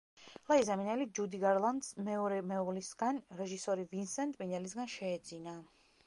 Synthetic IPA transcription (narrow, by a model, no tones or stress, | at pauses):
lˠaizaminɛlid͡ʒud̪iɡaɾlˠand̪smɛɔɾɛmɛɔvlisɡ̥anɾɛʒisɔɾivinsɛnt̪ʼminɛlis̬ɡanʃɛːd̪zina